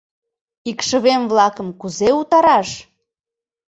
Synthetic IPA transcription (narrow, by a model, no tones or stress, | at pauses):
ikʃəβemβlɑkəmkuzeut̪ɑɾɑʃ